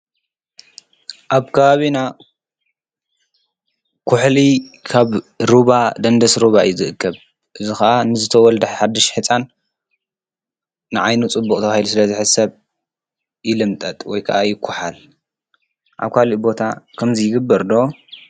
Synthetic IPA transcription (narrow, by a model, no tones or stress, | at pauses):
ʔaβkʰɐβaβina | kʰʊħlikʰaβɾuβad̪ɐnd̪ɐsɾuβajɪzɨʔɨkʰːɐβ | ʔɨzixɐʔanɨzɨt̪ʰɐwɔld̪ɨħħad̪ːɨʃħɨt͡sʼan | nɨʕajnut͡sʼɨbːukʼt̪ʰɐβahilusɨlɐzɨħɨsɐβ | jɪlɨmt̪ʼɐt̪ʼwɔjkʰɐ̰ʔajɪkʷʰːʊħal | ʔa̰βkʰaliʔbo̞t̪ʰakʰɐmzɨjɪɡɨbːɐɾd̪o